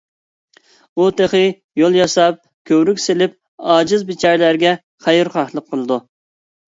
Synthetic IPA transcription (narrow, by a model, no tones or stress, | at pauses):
ut̪ʰeχɨ | jolˠjɑsɑp̚ | kʲʰøwɾykʲselɪp̚ | ɑːd͡ʒɪzbɪt͡ʃʰɛɾlæɾɡʲɛ | χæjɾχɑχlˠəqʰːəlˠɨd̪u